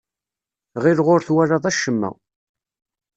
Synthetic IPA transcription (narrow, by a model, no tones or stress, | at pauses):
ʁɪɾʁoɾθwaɾɑðˤæʃːəmːæ̰